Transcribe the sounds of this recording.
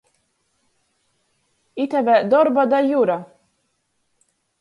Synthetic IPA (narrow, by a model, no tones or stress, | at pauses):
it̪ɛvɛd̪ɔɾbad̪ajuɾa